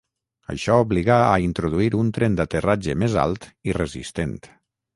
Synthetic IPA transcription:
ə̰ʃɔuβliɣaəint̪ɾuðuiɾunt̪ɾend̪at̪ərad͡ʒəmeza̰lˠt̪irəzḭst̪ent̪

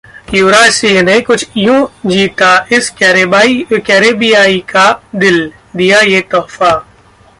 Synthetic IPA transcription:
juːɾaːsiːɦnekʊt͡ʃʰjũd͡ʒiːt̪aɪskɛːɾebaːikɛːɾeːbijaːikad̪ɪl | d̪ijajet̪ɔːfa

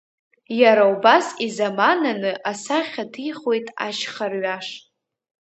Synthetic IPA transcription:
jaɾaubasizamananɨʔasaχʲatʰijχojtʼa̰ʃχarɥaʂ

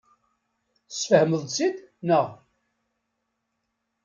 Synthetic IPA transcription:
θəsfəhməðˤsid̪nəʁ

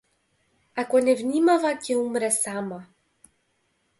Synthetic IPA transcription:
akʷɔnevnʲimavakʰʲeumɾɛsaːma

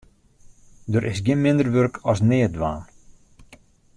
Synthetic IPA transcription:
dəɾʔɪsɡjɪnmɪndərʋørkʰɔsnɪːədʋaːn

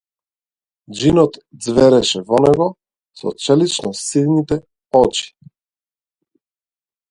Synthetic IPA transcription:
d͡ʒinɔt̪d̪zvɛɾɛʃɛvɔnɛɡɔ | sɔ̰t͡ʃɛlit͡ʃnɔsid̪nit̪ɛ | ɔt͡ʃi̥

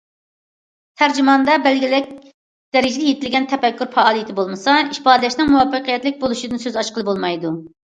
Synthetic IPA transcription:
t̪ʰæɾd͡ʒimɑnd̪ɑbɛlɡʲilɪk̚ʲ | d̪̥ɛɾɪd͡ʒɪd̪ɛjet̪ʰɪlɡʲɛnt̪ʰɛfɛkʲːyɾfɑɑːlˠɨjt̪ʰɪbolˠmɨsɑiʃpɑːd̪ɪlɛʃnɪŋmuwɑpːəqʰijɛt̪lɪk̚ʲbolˠuʃid̪ɨnsøzɑʃqəlˠɨbolˠmɑjd̪u

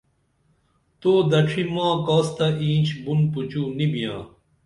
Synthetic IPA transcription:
t̪oːd̪ɐʈ͡ʂʰimãːkaːst̪ɐʔĩːnt͡ɕʰbunput͡ɕuːnibijãː

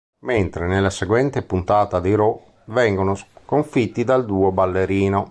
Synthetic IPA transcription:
ment̪ɾenelːaseɡwɛnt̪epunt̪aːt̪ad̪iɾɔ | vɛŋɡonoskoɱfit̪ːid̪ald̪uːobalːeɾiːno

